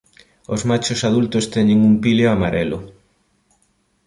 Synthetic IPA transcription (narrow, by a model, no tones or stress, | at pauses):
ozmat͡ʃosað̞ult̪ost̪ɛɲeŋumpiljoamaɾelʊ